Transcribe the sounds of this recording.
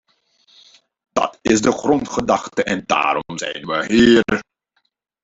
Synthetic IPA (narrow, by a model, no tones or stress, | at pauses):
d̥ɑ̰tɪsdəχrɔntχədɑχtəʔɛnda̰ːɾɔmzɛ̰jnʋəɦiː